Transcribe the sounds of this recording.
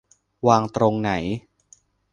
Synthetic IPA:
waː˧ŋt̪ɾo˧ŋna˩˦j

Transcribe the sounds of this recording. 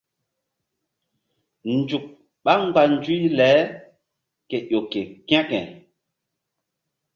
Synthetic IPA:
nd͡ʒu˨k̚ | ɓa˦ŋ͡mɡ͡ba˨n˦d͡ʒu˦i˦lɛ˨˦ | ke˨ʔo˨ke˨kj̃ã˦kɛ̰̃˨

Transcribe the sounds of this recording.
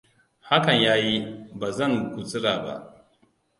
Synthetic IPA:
ha˦kɐ˨ɲjaː˦ji˦baː˨zɐ˦˨ŋkʷu˨t͡sʼɪ˦ɽaː˨ba̰˦ʔ

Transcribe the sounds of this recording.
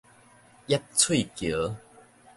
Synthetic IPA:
ja˦˥t̚t͡sʰwi˥˨kjo˨˦

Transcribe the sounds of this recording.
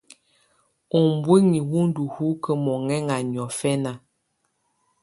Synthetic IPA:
ɔ˨m˨bwe˦ŋi˨wu˦n̩˦du˨hu˦kə˦mɔ˨ŋɛ˦ŋa˨n˨ɔ˨fɛ˦na˨

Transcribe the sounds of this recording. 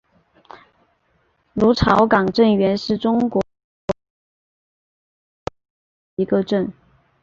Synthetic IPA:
ɻu˧˥ʈ͡ʂʰɑ˧˥ʊkɑ˨˩ŋʈ͡ʂə˥˩nɥɛ˧˥nʂɻ̩˥˩ʈ͡ʂʊ˥ŋkwɔ˧˥ | i˧˥ɡə˧ʈ͡ʂə˥˩n

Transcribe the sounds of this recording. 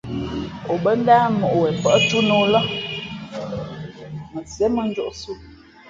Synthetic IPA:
o˨bə˦n̩˦da˦mo˨ʔwɛ˨pə˨˦tu˦no˨lə˦ | mə˨sɛ˨˦mə˦˨n˦d͡ʒo˦˨ʔsu˦

